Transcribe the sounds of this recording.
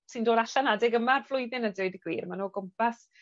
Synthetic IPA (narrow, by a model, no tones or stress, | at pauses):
sɨndoːdaɬanadɪɡəmarv̥lˠʊjðɪnədɪwdəɡ̥wḭːrmanoːɡʊmpʰas